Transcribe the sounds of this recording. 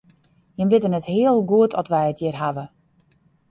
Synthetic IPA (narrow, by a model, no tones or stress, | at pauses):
jənbɪtənɛthɪəlˠɡuətʰɔtʋɛjətʰjɪrɦaʋə